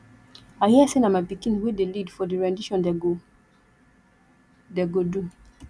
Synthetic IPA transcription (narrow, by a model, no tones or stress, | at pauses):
ahisenãmapikĩnwedelidfɔdiɹɛ̃ndiʃɔ̃n | deɡodu